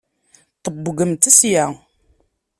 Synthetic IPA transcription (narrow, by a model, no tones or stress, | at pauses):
t̪ˤəbːɡəmt̪æsja